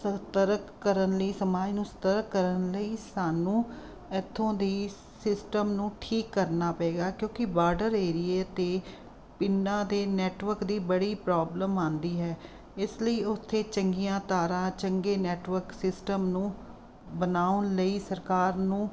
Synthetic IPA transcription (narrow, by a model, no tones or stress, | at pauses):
sət̪əɾəkːəɾənləiːsəmaːd͡ʒnũːsə̥t̪əɾəkːəɾənləiːsaːnũː | ɛt̪ʰːõːd̪eː | sɪsʈəmnũːʈʰiːkːəɾnaːpɛeːɡaːkjõːkɪbaːɾɖəɾeːɾɪeːt̪eː | pɪnːãːd̪eːnɛːʈʋəɾkd̪iːbəɽiːpɾaːbləmãːnd̪iːɦɛː | ɪsləiːʊt̪ʰːeːt͡ʃəŋɡijãːt̪aːɾãːt͡ʃəŋɡeːnɛːʈʋəɾksɪsʈəmnũː | bənaːʊnləiːsəɾkaːɾnũː